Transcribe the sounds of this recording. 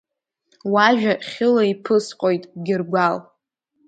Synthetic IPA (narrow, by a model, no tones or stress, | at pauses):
waʒᶣaχʲɪlaipʰɨsqʼojtʼɡʲɪrɡʷal